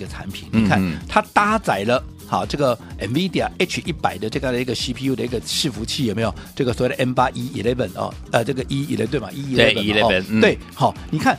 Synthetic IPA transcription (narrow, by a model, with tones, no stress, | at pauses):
ɡə˨ʈ͡ʂʰa̰˧˥npʰḭ˨˩nni˨kʰa˥˩nt̪ʰa˥t̪a˥t͡sa˨˩ɪlə˦ | hɔ̰˥˨˩ʈ͡ʂɤ˥˩ɡə˩ʔɛ˨˩nvi˦˥d̪i˨a˨˩e˥t͡ʃʰi˥˩pa˨˩ɪd̪ə˦ʈ͡ʂɤ˥˧t͡ɕja˥˩ŋd̪ə˨i˥ɡə˨si˥pʰi˧˥u˥˧d̪ə˨˦i˥ɡə˨ʂɻ̩˥˩fu˧˥t͡ɕʰi˥˨jo˨˩ʊmʲi˦˥jo˨˩ʊʈ͡ʂɤ˥˩ɡə˩swɔ˨we˥˩də˨ʔɛ˧˥npa˥ʔi˥i˨˩lɛ˥˩fə˨˩nɔ̰˧˩ | ə˧˩ʈ͡ʂɤ˥˩ɡə˨ʔi˥i˨˩lɛ̰˥˧t̪we˥˩ɪma̰˨ʔi˥i˨˩ɛ˨˥ə˨˧ɛ˧ɔ˥˨nt̪we˥˩ɪhɔ˥˨˩ni˨˩kʰa˥˩n